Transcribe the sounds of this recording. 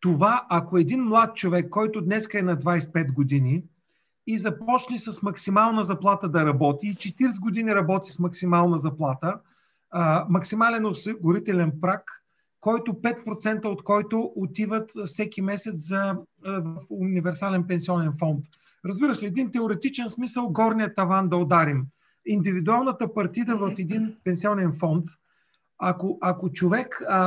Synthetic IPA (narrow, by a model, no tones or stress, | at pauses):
t̪ovaʔɐkoɛd̪inmlˠat̪̚t͡ʃovɛkːɔjt̪ʊd̪nɛskəɛnɐd̪vajspɛt̪ɡod̪ini | izɐpɔt͡ʃnisɐsmɐksimalˠnəzɐplˠat̪əd̪ɐɾɐbɔt̪iːt͡ʃɛt̪iɾs̬ɡod̪iniɾɐbɔt̪i̥smɐksimalˠnəzɐplˠat̪ə | mɐksimalɛnosɛɡʊɾit̪ɛlɛnpɾakː | ɔjt̪ʊpɛt̪̚pɾot̪sɛnt̪əot̪kɔjt̪ʊʔot̪ivət̪fsɛkimɛsɛt̪szɐvəfʊnivɛɾsalɛnpɛnsiɔnɛnfɔnt̪ | ɾəzbiɾəʃt̪ɛɛd̪int̪ɛoɾɛt̪it͡ʃɛnsmisəlˠɡɔɾnijət̪ɐvand̪ɐod̪aɾim | ind̪ivid̪ualˠnət̪əpɐɾt̪id̪əvɐfɛd̪inpɛnsiɔnɛnfɔnt̪ | akoʔɐkot͡ʃovɛk